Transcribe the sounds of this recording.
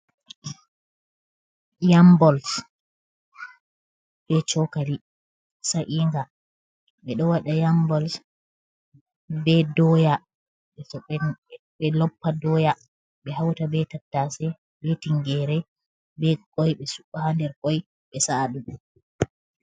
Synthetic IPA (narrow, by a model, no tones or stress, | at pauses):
jambɔls | b̥ɛt͡ʃɔkali | saʔiŋɡa | ɓɛɗɔwaɗajambɔls | bɛdɔja | ɓɛ | ɓɛlɔpːadɔja | ɓɛhawtabɛtatːasɛ | bɛtiŋɡɛɾɛ | bɛkɔjɓɛsukːahandɛɾkɔj | ɓɛsaɗu